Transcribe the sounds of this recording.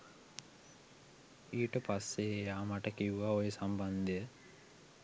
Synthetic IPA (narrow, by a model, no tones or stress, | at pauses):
iːʈəpasːeejaːmaʈəkiuʋaːojesamband̪ejə